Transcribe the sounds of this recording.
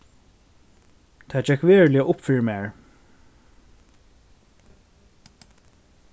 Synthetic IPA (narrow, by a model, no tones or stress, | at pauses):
t̪ʰaːd͡ʒɛkvɛːɹlɪəʔʊpfiɹmɛːɹ